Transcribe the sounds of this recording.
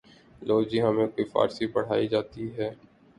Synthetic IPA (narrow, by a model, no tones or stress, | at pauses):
loːd͡ʒiɦəmẽkoːifa̰ːɾsibəɽ̤aːid͡ʒaːt̪iɦɛː